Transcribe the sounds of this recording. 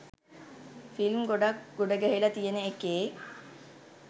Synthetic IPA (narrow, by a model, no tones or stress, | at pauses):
filmɡoɖakɡoɖəɡæɦilɐt̪ijenəekeː